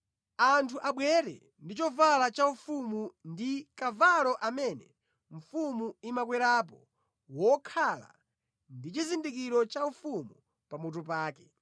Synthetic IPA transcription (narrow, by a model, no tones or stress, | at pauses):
antʰuʔaɓwɛɾɛ̰ | ndit͡ʃɔvalat͡ʃaufumundikavalɔʔamɛnɛ | ɱ̩fumuimakwɛɾap̬ɔ | wɔkʰala̰ | ndit͡ʃizindikiɾɔt͡ʃaufumu | pamut̬up̬aːkɛ